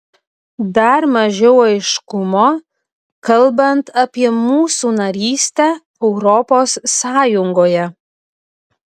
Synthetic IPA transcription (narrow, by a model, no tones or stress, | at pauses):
d̪ɐɾmɐʒʲɛʊɐɪʃkʊmoː | kɐlˠbɐnt̪ɐpʲiɛmuːsuːnɐɾʲiːsʲt̪ʲɛ | ɛʊɾɔpoːsːɑːjʊŋɡoːjɛ